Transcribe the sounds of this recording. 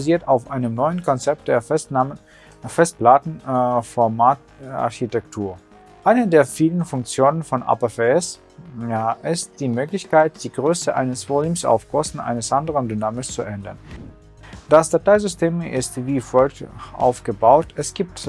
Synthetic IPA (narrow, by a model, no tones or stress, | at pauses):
aziːɐtaʊfʔaɪnəmnɔʏənkʰɔnt͡sɛp̚t̚d̥eːɐə | fɛst̚b̥laːtn̩fɔɐmaːt | a̰ɐçitɛktʰuːɐ | ʔaɪnədeːɐfiːlənfʊŋk̚t͡sjoːnənfɔnʔa̰ːpɐfeɛs | aʔɪst̚d̥iːmøːklɪçkʰaɪt̚d̥iːɡʁøːsəʔa̰ɪnəsv̥olyːmsa̰ʊfkʰɔstn̩ʔa̰ɪnəsʔandəʁəndynaːmɪst͡suʔɛndɐn | d̥asd̥ataɪzʏstʰeːmɪ̰stviːfɔlʔa̰ʊfɡ̥əbaʊtʰɛsɡ̥iːp̚t